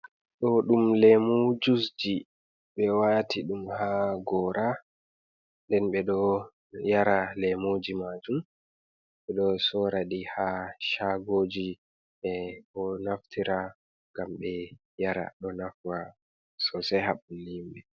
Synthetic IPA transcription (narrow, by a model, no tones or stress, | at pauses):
ɗɔɗumlɛmod͡ʒusd͡ʒi | ɓɛwatʰiɗumhaɡɔːɾʔa | ndɛnɓɛɗɔ | jaɾalɛmod͡ʒimad͡ʒum | ɓɛɗɔsɔɾaɗihaʃaɡod͡ʒi | ɛɔnaftʰiɾa | ŋɡamɓɛ | jaɾa̰ɗɔnafwa | sɔsɛɦaɓulimɓɛ